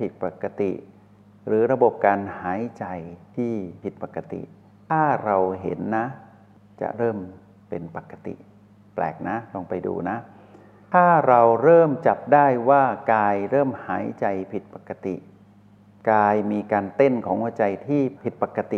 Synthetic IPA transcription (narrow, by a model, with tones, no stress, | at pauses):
pʰi˨˩t̪̚pa˨˩ka˧t̪ḭ˨˩ʔ | ɾɯː˩˦ɾa˧bo˨˩p̚kaː˧nhaː˩˦jt͡ɕa˧jt̪ʰiː˥˩pʰi˨˩t̪̚pa˨˩kːa˧t̪ḭ˨˩ | t̪ʰaː˥˩ɾa˧wɦe˩˦nːa˦˥ | t͡ɕa̰˨˩ʔɾɤː˥˩m | pe˧npa˨˩kːa˧t̪ḭ˨˩ʔ | plɛ̰ː˨˩k̚na˦˥lɔ˧ŋpa˧jdṵː˧na˦˥ʔ | t̪ʰaː˥˩ɾa˧wɾɤː˥˩mt͡ɕa˨˩p̚daː˥˩jwaː˥˩kaː˧jɾɤː˥˩mhaː˩˦jt͡ɕa˧jpʰi˨˩t̪̚pa˨˩kːa˧t̪i˨˩ʔ | kaː˧jmiː˧kaː˧nt̪e˥˩nkʰɔː˩˦ŋʔuː˧˩t͡ɕa˧jt̪ʰiː˥˩pʰi˨˩t̪̚pa˨˩kːa˧t̪i˨